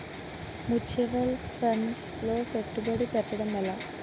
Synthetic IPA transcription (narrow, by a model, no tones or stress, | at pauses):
mut͡ɕʰɐʋɐlfensloːpeʈːubɐɽipɐʈːiɽɐmːɐlːɐ